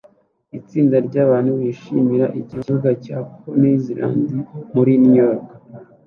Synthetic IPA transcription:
it͡siːndaɾɟaːβaːnhuwiʃimiɾaʔiɟiuɡacaːponeziɾa̰ːndimuɾinijoɾkḁ

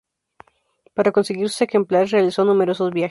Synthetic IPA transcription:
paɾako̞nseɣiɾsuexe̞mplaɾrealiso̞nume̞ɾo̞so̞zβjax

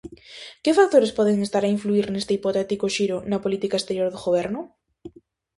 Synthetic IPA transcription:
kefak̚t̪oɾespɔðeŋest̪aɾaĩɱfluiɾnest̪eipot̪ɛt̪ikoʃiɾonapolit̪ikaest̪eɾjoɾðoɣoβeɾnʊ

